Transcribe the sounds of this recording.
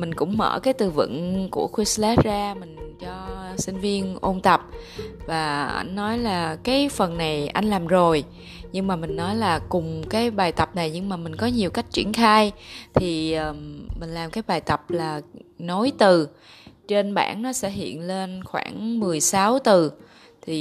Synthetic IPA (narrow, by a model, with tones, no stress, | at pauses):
mï˨˩ŋ̟kʊ̰˧˥ŋ͡mmə̰ː˧˩kaː˨˦jt̪ɨ˨˩vɨ̰˧˨ŋku˧˩əxwi˧slɛ˦˥t̚zaː˧mï˨˩ŋ̟t͡ɕɔ˧sï˧ŋ̟vi˧ənʔo˧nt̪ə˨˩p̚ | vaː˨˩ʔa̰˧˩jŋ̟ːɔ˨˦jlaː˨˩kaː˨˦jfə˨˩nːa˨˩jʔa˧jŋ̟laː˨˩mzo˨˩j | ɲɨ˧ŋmaː˨˩mï˨˩ŋ̟nɔ˨˦jlaː˨˩kʊ˨˩ŋ͡mkaː˨˦jɓaː˨˩jt̪ə˨˩p̚na˨˩jɲɨ˧ŋmaː˨˩mï˨˩ŋ̟kɔ˨˦ɲi˨˩əwka˦˥jk̟̚t͡ɕḭ˧˩ənxaː˧jt̪ʰi˨˩ʔəː˨˩mmːï˨˩ŋ̟laː˨˩mkaː˨˦jɓaː˨˩jt̪ə˨˩p̚laː˨˩no˨˦jt̪ɨ˨˩ | t͡ɕe˧nɓa̰ː˧˩nnɔ˨˦sɛ̰˧˥ɦḭ˧˨ənle˧nxwa̰ː˧˩ŋmɨ˨˩əjsa˨˦wt̪ɨ˨˩ | t̪ʰi˨˩